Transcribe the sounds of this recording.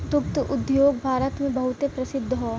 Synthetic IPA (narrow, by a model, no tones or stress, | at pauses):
t̪ʊk̚t̪ʔʊd̪joːɡ̚bʱaːɾət̪mẽbɐɦʊt̪epɾɐsɪd̪ʱːɦoː